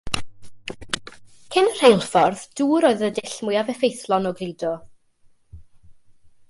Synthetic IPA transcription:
kʰɪnr̥ejlˠfɔrðd̥uːɾoːɨðədɪɬmʊjavɛfejθlˠɔnɔɡliːdɔ

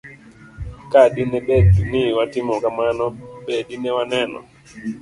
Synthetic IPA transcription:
kaɗinɛɓɛdniwatimɔkamanɔɓɛɗinɛwanɛnɔ̰

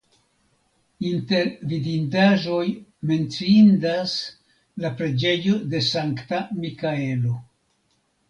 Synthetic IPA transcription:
inte̞ɾvidindaʒo̞jme̞nt͡siindas | lapɾe̞d͡ʒe̞jo̞de̞saŋktamikaelo̞

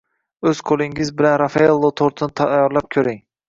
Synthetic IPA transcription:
ɵz̥qʰolˠɪŋɪzbɪlanɾafaelˠːot̪ʰoɾt̪ʰɪnɪt̪ʰajɒɾlap̚kʲʰɵɾɪŋ

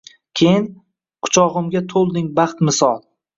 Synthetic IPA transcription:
kʲʰejɪn | qʰʊ̥t͡ʃʰɒʁɨmɡʲat̪ʰolˠd̪ɪŋbɑχt̪mɪsɒlˠ

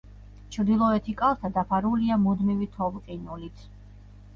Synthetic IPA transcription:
t͡ʃʰɾd̪ilˠɔɛt̪ʰikʼalˠt̪ʰad̪apʰaɾuliamud̪mivit̪ʰɔvqʼinulit̪ʰ

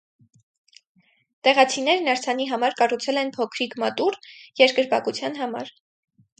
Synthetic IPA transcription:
t̪ɛʁɑt͡sʰin̪ɛɾnɑɾt͡sʰɑniɦɑmɑɾkɑrut͡sʰɛlɛnpʰɔkʰɾikmɑt̪uɾjɛɾkəɾbɑkut͡sʰjɑn̪ɦɑmɑ̰ɾ

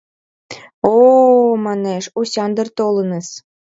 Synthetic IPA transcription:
omɑneʃusʲɑnd̪ərt̪olə̆nəs

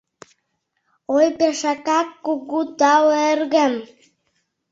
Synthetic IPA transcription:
ojpeʃɑkɑkːuɣut̪ɑwerɣə̆m

